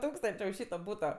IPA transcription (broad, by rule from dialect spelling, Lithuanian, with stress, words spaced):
ˈtuːkstɐnʲt͡ʃʲeː ʊʃ ˈʃʲiːtoː ˈbuːtoː